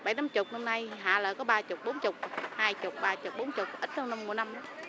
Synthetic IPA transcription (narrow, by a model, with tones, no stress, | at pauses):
ɓa˧˩jt̪aː˨˦mt͡ɕʊ˨˩k͡p̚na˧mna˧jɦa̰ː˧˨ləː˨˩kɔ˨˦ɓaː˧t͡ɕʊ˨˩k͡p̚ɓo˨˦nt͡ɕʊ˨˩k͡p̚haː˧jt͡ɕʊ˨˩k͡p̚ɓaː˧t͡ɕʊ˨˩k͡p̚ɓo˨˦nt͡ɕʊ˨˩k͡p̚ʔi˦˥t̚ɗə˧wna˧mu˨˩˨jna˧mʔə˨˦